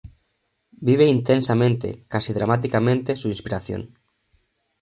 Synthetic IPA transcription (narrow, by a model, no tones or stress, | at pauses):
biβ̞eint̪ensamẽnt̪ḛkasiðɾamat̪̬ikamẽnt̪esuinspiɾaθjo̰n